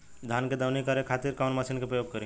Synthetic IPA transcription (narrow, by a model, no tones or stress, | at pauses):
d̪ʱanked̪awnikəɾekʰat̪iɾkaʊnməsinkepɾəjoɡ̚kəɾi